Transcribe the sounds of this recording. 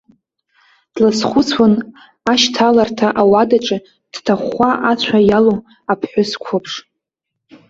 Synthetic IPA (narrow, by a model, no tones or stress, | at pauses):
d̥lasχʷʊt͡sʰwan | aʃtʰalartʰaʔawadaʈ͡ʂʼɪ | d̥tʰaχaʔat͡ɕʷʰajalo | apʰħʷᶣʊskʷʰopʰʂ